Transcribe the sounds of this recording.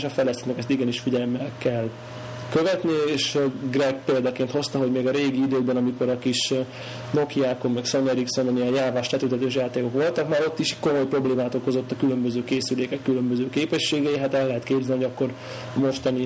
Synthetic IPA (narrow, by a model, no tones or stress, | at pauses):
ʃɒfɛlːɛst̪eːnøkɛst̪iɡɛniʃfiɟɛlmːɛlkɛl | køvɛt̪nieːʃɡɾɛɡ̚peːld̪ɒkeːnt̪ho̞st̪ɒɦo̞ɟmeːɡɒɾeːɡiid̪øːɡbɛnɒmiko̞ɾɒkiʃ | no̞kiaːkomːɛkso̞nɛɾikso̞nonijɛjjaːvaːʃlɛt̪ylt̪ɛt̪øːʃ̬jaːt̪eːko̞kʋo̞lt̪ɒkmaːɾo̞t̪ːiʃiːcko̞mo̞jpro̞bleːmaːt̪oko̞zo̞t̪ːɒkylømbøzøːkeːsyleːkɛkːylømbøzøːkeːpɛʃːeːɡɛjiɦat̪ɛlːɛɦɛt̪keːbzɛniɦijɟɒkːo̞ɾ | ɒmo̞ʃt̪ɒni